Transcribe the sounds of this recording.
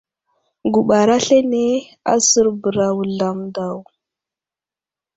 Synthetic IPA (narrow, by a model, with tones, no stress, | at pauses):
ɡu˨ɓa˨ɾa˦ɬe˦ne˦ | a̰˦sə˦ɾbə˨ɾa˨wɮa˨mda˨w